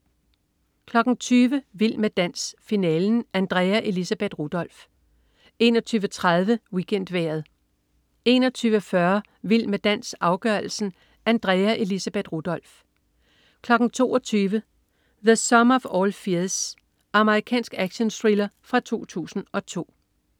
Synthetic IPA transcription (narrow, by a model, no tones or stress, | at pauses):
kʰlɒ̽ɡ̥n̩t͡sʰyːʋəʋil̰med̥æn̰sfinɛːln̩ʔænd̥ʁɛːæʔe̝lisæb̥e̝d̥ʁud̥ɒ̽l̰f | e̝nɒt͡sʰyːʋət͡sʰʁað̞ˠʋəwikʰen̰d̥ʋḛːɐð̞ˠ | e̝ːnɒ̽t͡sʰyːʋəfɶɐ | ʋil̰med̥æn̰sɑ̈ʊɡ̥ɶɐl̩sn̩ | ʔænd̥ʁɛæʔe̝lisæb̥e̝d̥ʁud̥ɒ̽l̰f | kʰlɒ̽ɡ̥n̩t͡sʰo̝̰ːɒ̽t͡sʰyːʋə | ðesɒ̽mɐfɒːlfiɐs | ʔɑ̈məʁikʰɛ̰ːnsɡ̥æɡ̥ɕənsʁilɐfʁɑ̈t͡sʰo̝̰ːt͡sʰṵːsn̩ɒ̽t͡sʰo̝̰ː